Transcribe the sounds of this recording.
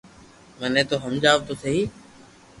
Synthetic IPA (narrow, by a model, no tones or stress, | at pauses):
mənẽːt̪oːɦəmd͡ʒaːʋt̪oːsʰeːiː